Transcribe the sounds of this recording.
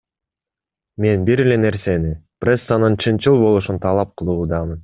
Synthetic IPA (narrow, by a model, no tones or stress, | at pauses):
me̞nbiɾele̞ne̞ɾse̞nipresːanɯnt͡ʃʰɯnt͡ʃɯlˠbo̞lˠuʃunt̪ʰɑlˠɑp̚qʰɯlˠuːd̪ɑmɯn